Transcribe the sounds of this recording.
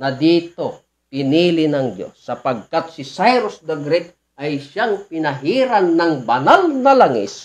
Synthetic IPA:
nɐd̪iːt̪o | pɪniːlɪnɐŋd̪jo̰sːɐpɐɡ̚kat̪sɪsajɾosd̪ɛɡɾɛt̪̚ | ʔajʃaŋpɪnɐɦiɾanːɐŋbɐnalnɐlaŋɪ̰s

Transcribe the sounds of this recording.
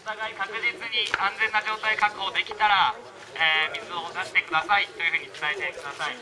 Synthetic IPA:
ot̪aɡaikakɯ̟d͡ʑit͡sɨɲ̟iãnd͡zẽ̞nːaʑo̞ːt̪aikakɯ̟ho̞ːd̪e̞kʲi̥t̪aɾa | eːmʲizɨod̪aɕi̥t̪e̞kɯ̟d̪asait̪ːo̞jɯ̟hɯ̟ːɲ̟it͡sɨ̥t̪ait̪e̞kɯ̟d̪asai

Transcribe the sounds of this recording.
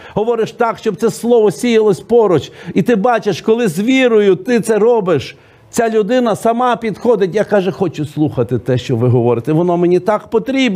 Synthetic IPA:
ɦɔʋɔɾɪʃt̪ɑkʃt͡ʃɔb̚t̪sɛslˠɔʋɔsʲijɐlˠɔsʲpɔɾɔt͡ʃit̪ɪbɑt͡ʃeʃkɔlˠɪzʲʋʲiɾʊjʊt̪ɪt̪sɛɾɔbɪʃ | t͡sʲalʲʊd̪ɪnɐsɐmɑpʲid̪xɔd̪ɪtʲjakɑʒɛxɔt͡ʃʊslˠuxɐt̪ɪt̪ɛʃt͡ʃɔʋɪɦɔʋɔɾɪt̪ɛʋɔnɔmenʲit̪ɑkpɔt̪ɾʲib

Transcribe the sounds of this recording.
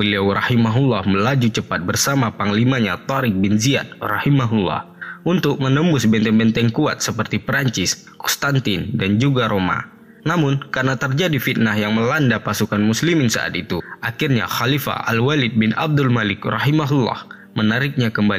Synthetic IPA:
bəliawrahimaɦulːahməlad͡ʒut͡ʃəpat̪̚bərsamapaŋlimaɲat̪ɔɾɪk̚bɪnzia̰t̪̚rɑhimaɦulːɑ̰h | ʔunt̪ʊk̚mənəmbʊsbɛnt̪ɛnbɛnt̪ɛŋkua̰t̪̚səpərt̪ipɾaɲt͡ʃɪs | kɔ̥st̪ant̪ɪndand͡ʒuɡaɾoma̰ | namʊnkarnat̪ərd͡ʒadifit̪̚naɦjaŋməlandapasukanmuslimɪnsa̰ʔa̰t̪it̪uʔakɪrɲa̰xalifa̰ʔalwalɪd̪̚bɪna̰b̚dʊlmalɪkrɑɦimaɦulːɑ̰h | mənaɾɪk̚ɲakəmbali

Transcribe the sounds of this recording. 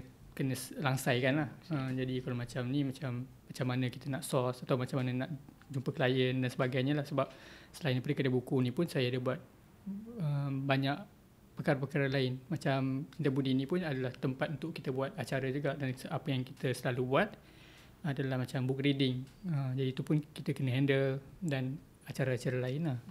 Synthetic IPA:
kənəslaŋsajkanlahəmd͡ʒadikalamãt͡ʃamnimat͡ʃamːat͡ʃamːanə̃ki̥t̪ənaʔsɔsat̪awmat͡ʃamːanənaʔ | d͡ʒumpəkəlajəndansəbaɡajɲalahsəbap̚səlainapaɾekədabukunipʊnsajaːdabuat̪̚ | əmbaɲaʔ | pəkaɾapəkaɾalaɪnmat͡ʃamind̪əbudinĩpʊnadalaht̪əmpat̪unt̪ʊʔkit̪əbuat̪̚at͡ʃaɾəd͡ʒuɡaʔdansəapəjaŋkit̪əsəlalubuat̪̚ | adalahmat͡ʃambʊk̚ridɪŋəmd͡ʒadiːt̪upʊnkit̪əkənəɦɛndəldan | at͡ʃaɾaat͡ʃaɾalaɪnah

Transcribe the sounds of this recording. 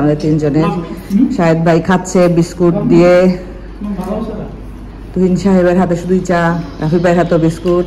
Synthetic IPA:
mad̪eɾt̪ind͡ʑoneɾʃaed̪̚bʱajkʰat̪ːɕʰebiskuʈ̚d̪ije | t̪uɦinʃaɦeβeɾɦat̪eʃud̪ujt͡ɕaɾafibʱajeɾɦat̪obiskuʈ

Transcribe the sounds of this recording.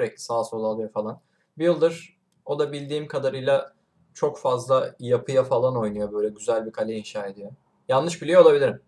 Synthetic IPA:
ɾɛcʲsaːso̞lˠalˠɯjafalˠan | bijɯlˠd̪ɯɾ̥ | o̞d̪abilʲd̪iːmkʰad̪aɾɯjlˠa | t͡ʃʰo̞kfazlˠajapʰɯjafalˠano̞jnujo̞bø̞jlʲɛɟyzælʲbikʰalʲeinʃaːe̞d̪ijo̞ | jannːɯʃbilʲijolˠabilʲiɾim

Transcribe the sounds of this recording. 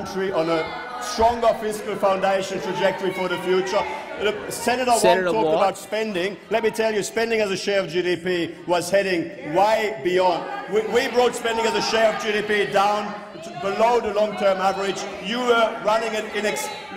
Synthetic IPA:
nt͡ʃɹ̥iə̃nə | stɹ̥ɔ̃ŋɡə˞fɪskəl̩ˠfãʊ̃ndeɪʃɨ̃ntʰɹ̥ɨd͡ʒɛk̚tə˞ifə˞ðɨfjʉt͡ʃə˞ | sɛnɨɾə˞tʰɔˑkktəbaʊtspɛ̃ndɪ̃ŋlɛt̚mitʰɛlˠjɨspɛ̃ndɪ̃ŋɨzɨʃeɪɹʌvd͡ʒiɾipiwʌz̥hɛɾɪ̃ŋwaɪbiɔ̃nd̚wiwibɹoʊtspɛ̃ndɪ̃ŋɨzɨʃeɪɹʌvd͡ʒiɾipidãʊ̃n | bəloʊðəlɔ̃ŋtʰɜ̃˞mævə˞ɪd͡ʒ | jɨə˞ɹʌnɪ̃ŋɨɾɪ̃nɨks

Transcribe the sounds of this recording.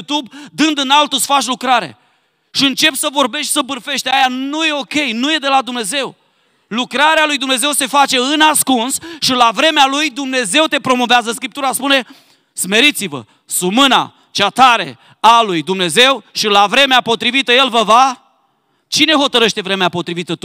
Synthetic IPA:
ut̪ubd̪ɨnd̪ɨnalt̪usfat͡ʃʲlukɾaɾḛ | ʃiɨnt͡ʃe̞psəvo̞rbe̞ʃt̪ʲsəbɨrfe̞ʃt̪ʲajanuje̞o̞kʲe̞jnuje̞d̪e̞lad̪umne̞ze̞w | lukɾaɾealujd̪umne̞ze̞wse̞fat͡ʃe̞ɨnaskunsʃilavɾe̞mealujd̪umne̞ze̞wt̪e̞pɾo̞mo̞veazəskɾip̚t̪uɾaspune̞ | sme̞ɾit̪sivə̰ | sumɨna̰ | t͡ʃat̪aɾe̞̰ | alujd̪umne̞ze̞wʃilavɾe̞meapo̞t̪ɾivit̪əje̞lvəva | t͡ʃine̞ɦot̪əɾəʃt̪e̞vɾe̞meapo̞t̪ɾivit̪ət̪u

